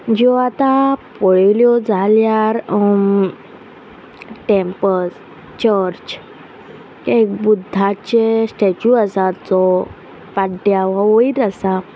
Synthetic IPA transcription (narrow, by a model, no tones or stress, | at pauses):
d͡ʑɔat̪apɔɭiljɔd͡zʱaljaɾ | ʈempəs | t͡ɕəɾt͡ɕ | kek̚bud̪ʱːat͡ɕesʈet͡ɕuasat͡sɔ | paɖjaʋãʋoiɾəsa